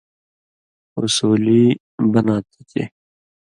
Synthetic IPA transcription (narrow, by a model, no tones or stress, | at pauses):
ʊ̰suːliː | bənaːt̪i̥t̪ʰḛː